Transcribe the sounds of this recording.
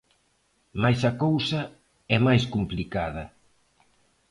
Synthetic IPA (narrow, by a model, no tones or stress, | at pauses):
majsɐkowsɐ | ɛmajs̬kumplikað̞ɐ